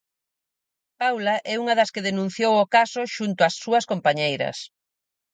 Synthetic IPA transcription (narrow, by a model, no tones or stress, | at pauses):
pawlaʔɛuŋɐðɐskeðenũn̟θjowʊkasʊʃunt̪ʊɐsːuɐskompaɲejɾɐ̰s